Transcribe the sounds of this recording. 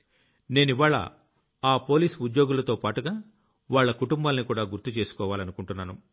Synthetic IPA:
ne̞ːniʋaːɭːɐ̰ | aːpo̞ːliːsud̪jo̞ːɡulɐt̪o̞ːpaːʈuɡaː | ʋaːɭːɐkuʈumbaːlɐnikuːɽaːɡuɾt̪ːut͡ʃe̞ːsu̥kɔːʋaːlɐnukuɳʈunːaːnu

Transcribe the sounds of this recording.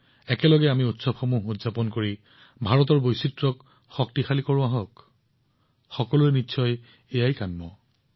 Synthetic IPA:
ɛkɛlɔɡɛamiutsɔbxɔmuɦudzapɔnkoɹi | bʱaɹɔt̬ɔɹbojsitɹɔk | xɔk̚tixalikɔɹʊ̃aɦɔk | xɔkɔlʊɛnitːsʰɔj | ejajkanmɔ

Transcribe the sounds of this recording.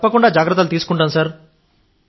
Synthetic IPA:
pːɐkuɳɖaːd͡ʒaːɡɾɐt̪ːɐlut̪̬iːsu̥kuɳʈaːmsɐɾ

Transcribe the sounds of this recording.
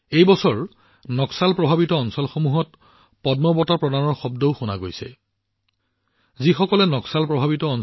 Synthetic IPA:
ejbɔsɔɹ | nɔksalpɹɔbʱabitɔːnsɔlxomuɦɔt | pɔdmɔbɔtɔpɹɔdanɔɹxɔb̚dɔʊxona̰ɡojsɛ̰ | zixɔkɔlɛnɔksalpɹɔbʱabitɔːn

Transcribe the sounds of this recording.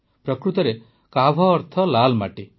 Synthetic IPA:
pɾɔkɾut̪ɔɾe | kabʱɔːɾt̪ʰɔlalmaʈi

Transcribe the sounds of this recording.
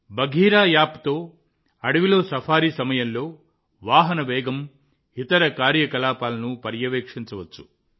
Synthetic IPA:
bɐɡʱiːɾaːjaːpt̪o̞ː | ɐɽɐʋilo̞ːsɐpʰaːɾiːsɐmɐjɐmlo̞ː | ʋaːɦɐnɐʋɛːɡɐm | it̪ɐɾɐkaːɾjɐkɐlaːpaːlɐnupɐɾjɐʋeːkʂiɲt͡ʃɐʋɐt͡ʃːu̥

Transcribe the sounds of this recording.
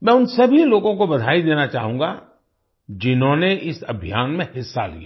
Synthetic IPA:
mɛ̃ːʊnsɐbʱiloːɡõkobɐd̪ʱaːid̪eːnat͡ʃa̰ːɦũːŋɡa̰ | d͡ʒɪnɦõneʔɪsɐbʱijaːnmẽhɪsːa̰lḭa

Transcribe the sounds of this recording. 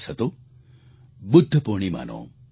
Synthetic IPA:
sɐt̪o | bʊd̪ʱːəpoːɳ̃ima̰ːnõ̰ː

